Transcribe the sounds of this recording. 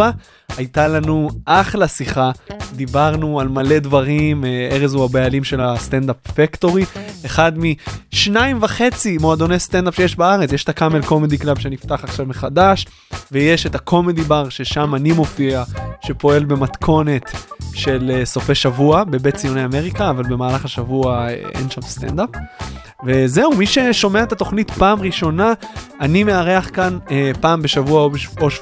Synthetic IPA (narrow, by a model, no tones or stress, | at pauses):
a | ajt̪alanuʔaχlasiχad̪ibaʁnualmale̞d̪vaʁimeʁezuabajalimʃe̞last̪end̪apfekto̞ʁieχad̪miʃnaimvaχe̞t͡simoad̪o̞nejst̪endapʃe̞jeʃbaaʁet͡sjeʃetʰakame̞lko̞med̪iklabʃenift̪aχaχʃavmeχad̪aʃ | vejeʃet̪akʰo̞med̪ibaʁʃe̞ʃamanimo̞fiaʃe̞po̞e̞lbe̞mat̪kʰo̞ne̞t̪ʃe̞leso̞feʃavuabe̞bett͡sijonejame̞ʁikaːvalbe̞maːlaχaʃavuaḛʔḛnʃamst̪ḛnd̪ap | veze̞umiʃe̞ʃo̞meaet̪ato̞χnit̪paːmʁiʃo̞naanime̞aʁeaχkanepaːmbe̞ʃavuaoboʃ